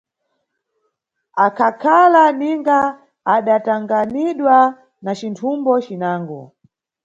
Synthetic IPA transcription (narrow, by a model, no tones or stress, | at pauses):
akʰakʰalaniŋɡaː | ɗataŋɡaniɗwa | nat͡ʃintʰumbɔt͡ʃinaːŋɡɔ